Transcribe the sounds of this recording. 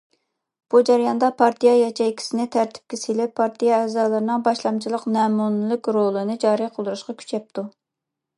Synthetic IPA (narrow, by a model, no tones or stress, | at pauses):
b̥ud͡ʒæɾjɑnd̪ɑpʰɑɾt̪ʰijɑjɑt͡ʃʰɛjkʲʰi̥sɪnɪt̪ʰæɾt̪ʰɪ̥p̚kʲɛselɪpʰːɑɾt̪ʰijɑɛːzɑːlˠɨɾɨnɨŋbɑʃlˠɑmt͡ʃʰilˠəqnɛːmunɨlˠɨkʲɾolˠɨnɨd͡ʒɑːɾijqʰəlˠd̪uɾuʃqɑkʲʰy̥t͡ʃʰɛp̚t̪ʰu